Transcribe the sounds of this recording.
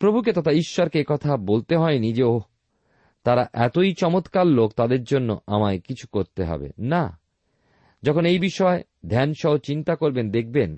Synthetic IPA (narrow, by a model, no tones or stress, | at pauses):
pɾobʱuk̬et̪ot̪ʰaiʃːɔɾkeːkɔt̪ʰabolt̪eɦɔenid͡ʑeo | t̪aɾaʔɛt̪ojt͡ɕɔmot̪kalːok̚t̪ad̪eɾd͡ʑonːo̰amaekit͡ɕʰu̥koɾt̪eɦɔ̰bḛna | d͡ʑɔkʰonejbiʃɔe | d̪ʱɛnʃɔot͡ɕint̪akoɾbend̪ek̚ʰben